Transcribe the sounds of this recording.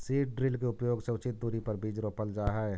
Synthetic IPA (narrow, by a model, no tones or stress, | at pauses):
siːʈ̚ɖɾɪlkeʊpjoːɡseʊt͡ʃɪt̪̚d̪uːɾipəɾbiːd͡ʒɾopəld͡ʒaːɦɛɛ